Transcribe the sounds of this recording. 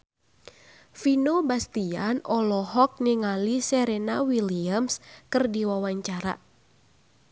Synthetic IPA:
finobast̪ianʔɔlɔɦɔk̚niŋalisɛɾɛnawiliamskɨrdiwawaɲt͡ʃaɾa̰

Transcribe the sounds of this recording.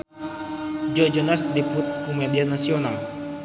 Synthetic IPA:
d͡ʒɔd͡ʒɔnasdiput̪̚kumedianasional

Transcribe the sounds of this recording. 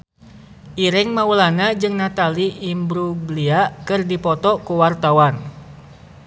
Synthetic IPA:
ʔiɾɛŋmaulanad͡ʒɨŋnat̪aliʔːmbɾubliakɨrdipɔt̪ɔkuwart̪awan

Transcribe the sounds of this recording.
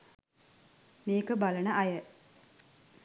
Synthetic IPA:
miːkəbalənəʔɐjə

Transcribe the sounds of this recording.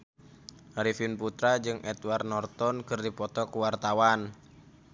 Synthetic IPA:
ɾifinput̪ɾad͡ʒɨŋʔɛt̪warnɔrt̪ɔnkɨrdipɔt̪ɔkuwart̪awan

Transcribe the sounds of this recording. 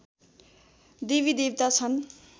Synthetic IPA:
d̪iβid̪ibt̪at͡sʰʌn

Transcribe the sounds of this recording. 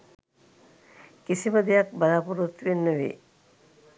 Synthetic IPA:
kisiməd̪ejak̚balaːpuɾut̪ʋenːəʋḛː

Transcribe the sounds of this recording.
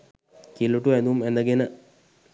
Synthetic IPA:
kilːuʈːuend̪uumend̪ɐɡenə

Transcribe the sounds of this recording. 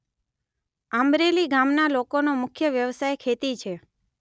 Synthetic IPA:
əmɾeliɡamnalokonomʊkʰjəʋjəʋsajkʰet̪it͡ʃʰe

